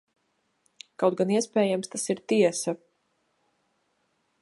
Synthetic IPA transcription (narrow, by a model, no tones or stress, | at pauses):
kawt̪̚ɡaniɛspɛːjamst̪asiɾt̪iɛsa